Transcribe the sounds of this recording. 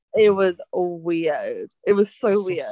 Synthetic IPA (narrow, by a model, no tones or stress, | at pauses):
ɪt̚wʌzwɪd̥ɪt̚wʌz̥soʊwɪd